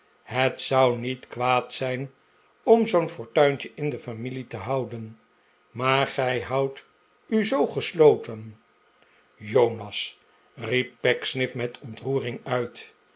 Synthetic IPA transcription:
ɦətsʌwnitkʋaːtsɛjn | ɔmzownfɔɹtœɥncəʔɪndəfamilitəɦɑwdən | maːɹχɛjɦɑwt | yzowχəslowtən | jownɑs | rip̚ːɛksnɪfmɛtʰɔntruːrɪŋœɥt

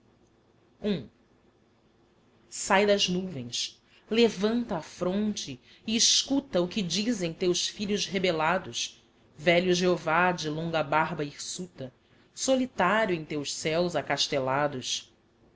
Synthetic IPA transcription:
ũ | sajd̪ɐznuvẽj̃s | levɐ̃nt̪ɐːfɾõnt͡ʃɪ | ɪːʃkut̪ɐʊkɪd͡ʒizẽj̃t̪ewsfiʎʊzɦebelad̪ʊs | vɛʎʊʒeovad͡ʒɪlõŋɡɐbaɦbɐihsut̪ɐ | solit̪aɾjʊẽj̃t̪ewʃsɛwzakaʃt̪elad̪ʊs

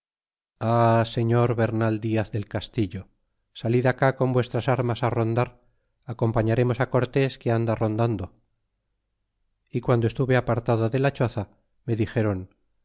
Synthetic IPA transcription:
ase̞ɲo̞ɾβe̞ɾnald̪iaθðe̞lkast̪iʎo̞ | saliðakako̞mbwe̞st̪ɾasaɾmasaro̞nd̪aɾ | ako̞mpaɲaɾe̞mo̞sako̞ɾt̪e̞skeand̪aro̞nd̪and̪o̞ | ikwand̪oe̞st̪uβe̞apaɾt̪aðoðe̞lat͡ʃo̞θa | me̞ðixe̞ɾo̞n

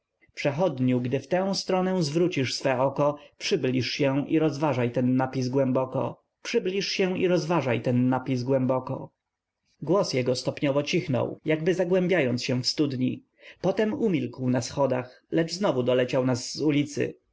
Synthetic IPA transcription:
pʂɛxɔd̪ɲuwɡd̪ɘft̪ɛ̃w̃st̪ɾɔnɛzvɾut͡ɕiʂsfɛɔkɔpʂɘblʲiʂɕɛ̃ʔiɾɔzvaʐajt̪ɛnːapʲiz̬ɡwɛmbɔkɔ̰ | pʂɘblʲiʂɕɛ̃iɾɔzvaʐajt̪ɛnːapʲiz̬ɡwɛmbɔkɔ̰ | ɡwɔsjɛɡɔst̪ɔpɲɔvɔt͡ɕixnɔ̰wjaɡbɘzaɡwɛ̃mbʲjajɔnsɕɛ̃fst̪ud̪ɲḭ | pɔt̪ɛmumʲilkwnasxɔd̪ax | lɛd͡ʐznɔvud̪ɔlɛt͡ɕawnaszulʲit̪sɘ̰

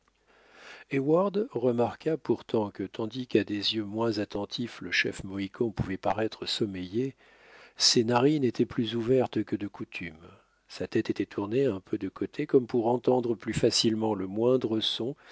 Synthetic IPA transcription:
ɛwaʁd̪ʁəmaʁkapuʁt̪ɑ̃kət̪ɑ̃d̪ikad̪ezjømwɛ̃zat̪ɑ̃t̪ʰifləʃɛ̰fmɔikʰɔ̃puvɛpaʁɛt̪χəsɔmeje | senaʁinet̪ʰɛplyzuvɛʁt̪kəd̪əkut̪ʰym | sat̪ɛt̪et̪ɛt̪ʰuʁneɛ̃pʰød̪əkot̪ʰekɔmpuʁɑ̃t̪ɑ̃d̪ʁəplyfasilmɑ̃ləmwɛ̃d̪ʁəsɔ̃

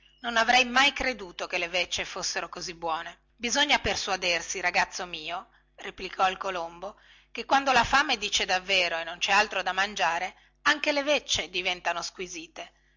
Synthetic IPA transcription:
nonavɾɛjmajkɾed̪uːt̪okelevet͡ʃːefosːeɾokozibːwɔːne | bizoɲːaperswad̪ersiɾaɡat̪sːomiːo | replikʰɔilkolombo | kekːwand̪olafamed̪iːt͡ʃed̪avːeːɾoenːont͡ʃɛalt̪ɾod̪amand͡ʒaːɾe | aŋk̟elevet͡ʃːed̪ivɛnt̪anoskwiziːt̪e

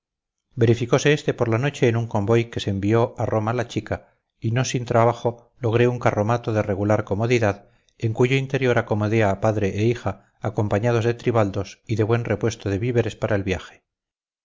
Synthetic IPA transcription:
be̞ɾifiko̞se̞est̪e̞po̞ɾlano̞t͡ʃe̞ːnuŋko̞mbo̞jke̞se̞ːmbio̞ʔarʔo̞malat͡ʃika | ino̞sint̪ɾaβaχo̞ | lo̞ɣ̞ɾe̞uŋkaro̞mat̪oðe̞re̞ɣulaɾko̞mo̞ðiðað | e̞ŋkuʝo̞int̪e̞ɾjo̞ɾako̞mo̞ðeaːpaðɾe̞ʔeixaː | ko̞mpaɲað̞o̞zðe̞t̪ɾiβald̪o̞siðe̞βwe̞nre̞pwe̞st̪oðeβiβe̞ɾe̞spaɾaelβjaxe̥

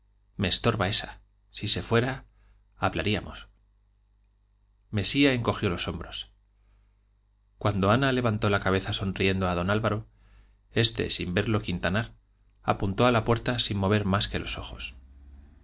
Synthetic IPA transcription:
me̞ːst̪o̞ɾβae̞sa | sise̞fwe̞ɾa | aβlaɾiamo̞̰s | me̞siae̞ŋko̞xjo̞lo̞so̞mbɾo̞s | kwand̪o̞anale̞βant̪o̞lakaβ̞e̞θaso̞nrie̞nd̪o̞að̞o̞nalβaɾo̞ | e̞st̪e̞̰simbe̞ɾlo̞kint̪anaɾ | a̰punt̪o̞alapwe̞ɾt̪asinmo̞β̞e̞ɾmaske̞lo̞so̞xo̞s

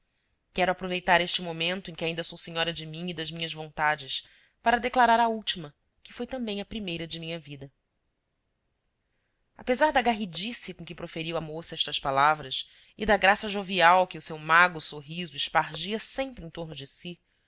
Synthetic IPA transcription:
kɛɾʊapɾovejt̪aɾeʃt͡ʃɪmomẽnt̪ʊẽkɪaĩnd̪ɐsowsiɲɔɾɐd͡ʒɪmĩŋid̪ɐzmĩɲɐzvõnt̪ad͡ʒɪs | paɾɐd̪eklaɾaɾɐuwt͡ʃimɐ | kɪfojt̪ɐ̃mbẽj̃ɐpɾimejɾɐd͡ʒɪmĩɲɐvid̪ɐ | a̰pezaɾd̪ɐɡaɦid͡ʒisiɐkõkɪpɾofeɾiwamosɐɛʃt̪ɐʃpalavɾɐs | ɪd̪ɐɡɾasɐʒoviawkɪʊsewmaɡʊsoɦizʊɪʃpaɾʒiɐsẽmpɾɪẽt̪oɾnʊd͡ʒɪsi

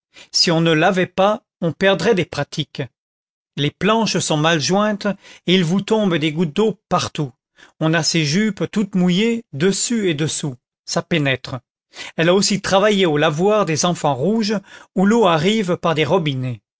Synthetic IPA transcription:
siɔ̃nəlavɛpa | ɔ̃pɛʁd̪ʁɛd̪epχat̪ʰik | leplɑ̃ʃsɔ̃malʒwɛ̃t̪eilvut̪ɔ̃bd̪eɡut̪̚d̪opaʁt̪u | ɔ̃naseʒypt̪ut̪mujed̪əsyed̪əsu | sapenɛt̪χə | ɛlaosit̪χavajeolavwaʁd̪ezɑ̃fɑ̃ʁuʒuloaʁivpaʁd̪eʁɔbine

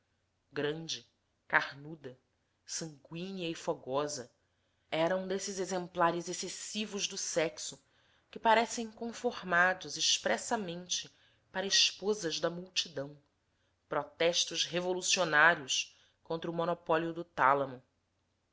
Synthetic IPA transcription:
ɡɾɐ̃nd͡ʒɪ | kahnud̪ɐ | sɐ̃ŋɡwĩniɐɪfɔɡɔzɐ | ɛɾɐũd̪esɪzezẽmplaɾɪzesesivʊʒd̪ʊsɛksʊ | kɪpaɾɛsẽj̃kõfohmad̪ʊzɪʃpɾɛsɐmẽnt͡ʃɪ | paɾɐɪʃpozɐʒd̪ɐmuwt͡ʃid̪ɐ̃w̃ | pɾɔt̪ɛʃt̪ʊʃɦevolusionaɾiʊs | kõnt̪ɾɐʊmonɔpɔliʊd̪ʊt̪alɐmʊ

